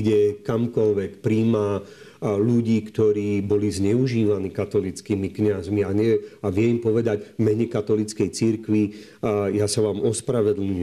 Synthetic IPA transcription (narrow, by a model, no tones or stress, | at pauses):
ɟɛkamkɔlʋɛkpɾiːma | luɟiːkt̪ɔɾiːbɔlizɲɛuʒiːʋaniːkat̪ɔlit͡skimikɲazmiaɲɛaʋɪɛimpɔʋɛd̪aɟvmɛɲɛkat̪ɔlit͡skɛjt͡siɾkʋi | jasaʋaːmɔspɾaʋɛd̪l̩ɲu